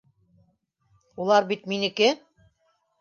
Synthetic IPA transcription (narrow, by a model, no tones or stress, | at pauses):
ulˠɑɾbit̪minɘ̆kɘ